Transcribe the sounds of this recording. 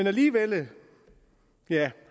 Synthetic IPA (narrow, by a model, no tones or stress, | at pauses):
enæliːʋelə | jæ